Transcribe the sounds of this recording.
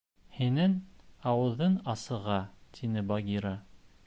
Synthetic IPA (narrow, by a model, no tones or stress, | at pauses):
hinɘŋɑwɤ̆ðːɤnɑsɤ̆ʁɑt̪ʰinɘbɑɡʲiɾa